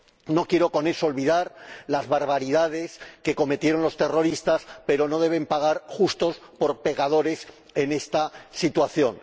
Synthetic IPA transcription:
no̞kje̞ɾo̞ko̞ne̞soːlβiðaɾlazβaɾβaɾiðað̞e̞ske̞ko̞me̞t̪je̞ɾõ̞nlo̞st̪e̞ro̞ɾist̪aspe̞ɾo̞no̞ðe̞β̞e̞mpaɣ̞aɾxust̪o̞s | po̞ɾpe̞kað̞o̞ɾe̞s | e̞ne̞st̪asit̪waθjo̞n

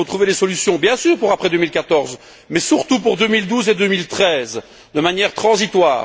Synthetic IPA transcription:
ot̪χuvelesɔlysjɔ̃bjɛ̃syːʁpuʁapχɛd̪ømilkat̪ɔʁz | mɛsyʁt̪upuʁd̪ømild̪uzed̪ømilt̪χɛz | d̪əmanjɛʁt̪χɑ̃zit̪wa̰ːʁ

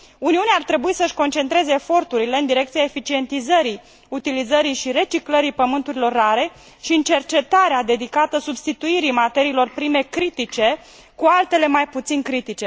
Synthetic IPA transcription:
uniuneart̪ɾe̞buisəɨʃko̞nt͡ʃe̞nt̪ɾeze̞ːfo̞rt̪uɾile̞ɨnd̪iɾe̞k̚t̪sijaefit͡ʃie̞nt̪izəɾi | ut̪ilizəɾiʃiɾe̞t͡ʃikləɾipəmɨnt̪uɾilo̞rːaɾe̞ | ʃiɨnt͡ʃe̞rt͡ʃe̞t̪aɾead̪e̞d̪ikat̪əsubst̪it̪uiɾimat̪e̞ɾiːlo̞rpɾime̞kɾit̪it͡ʃe̞ | kualt̪e̞le̞majput̪sinkɾit̪it͡ʃe̞

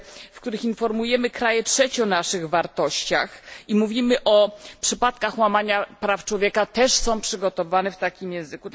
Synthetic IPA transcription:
fk̚t̪uɾɘxinfɔɾmujɛmɘkɾajɛtʂɛt͡ɕɔnaʂɘɣvaɾt̪ɔɕt͡ɕaximuvʲimɘʔɔpʂɘpat̪kaxwamaɲapɾaft͡ʂwɔvʲjɛkat̪ɛʂsɔ̃w̃pʂɘɡɔt̪ɔvanɛft̪akʲimjɛ̃w̃zɘku

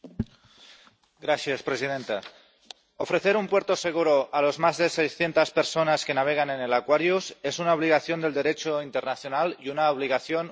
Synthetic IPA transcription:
ɡɾaθjaspɾesið̞ent̪a | ofɾeθe̞ɾumpweɾt̪oseɣ̞uɾoʔalozmazðesejsθje̞nt̪aspeɾsonaskenaβ̞eɣ̞anenelakwaɾjuse̞sunaoβliɣaθjo̞nd̪e̞ld̪eɾet͡ʃoint̪ernaθjonaliunaoβliɣ̞aθjon

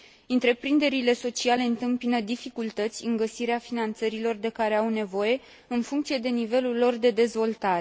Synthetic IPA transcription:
ɨnt̪ɾe̞pɾind̪e̞ɾile̞so̞t͡ʃiale̞ɨnt̪ɨmpinəd̪ifikult̪ət̪sʲɨŋɡəsiɾeafinant̪səɾilo̞rd̪e̞kaɾe̞awne̞vo̞je̞ | ɨnfuŋk̚t̪sije̞d̪e̞nive̞lulːo̞rd̪e̞d̪e̞zvo̞lt̪aɾe

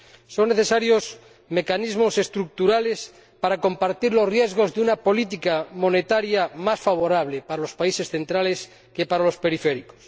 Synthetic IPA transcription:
so̞ŋneθesaɾjos | me̞kanizmose̞st̪ɾuk̚t̪uɾales | paɾako̞mpaɾt̪iɾlosrjezɣozðeunapo̞lit̪̬ikamo̞net̪aɾjamasfaβ̞o̞ɾaβ̞lepaɾalo̞spaise̞sθe̞nt̪ɾales | kepaɾalo̞spe̞ɾifeɾiko̥s

